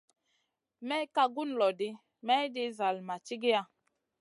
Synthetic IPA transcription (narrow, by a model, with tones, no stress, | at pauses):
mɛ˦ka˦ɡu˦n˨lɔ˨di˦ | mɛ˦di˦za˨lma˨t͡ʃi˦ɡe˦a˨